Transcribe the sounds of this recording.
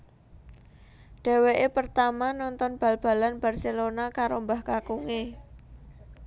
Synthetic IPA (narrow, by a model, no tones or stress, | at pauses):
ɖ̥ɛ̤weʔepərt̪amanɔnt̪ɔnb̥a̤lb̥a̤lanb̥a̤rselonakaɾombahkakuŋe